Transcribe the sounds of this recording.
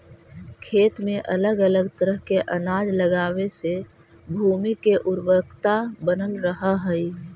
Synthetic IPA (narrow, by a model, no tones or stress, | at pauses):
kʰeːt̪mẽʔələɡələɡt̪əɾəɦkeʔənaːd͡ʒləɡaːwese | bʱuːmikeʔʊɾbəɾkt̪abənəlɾəɦəɦəi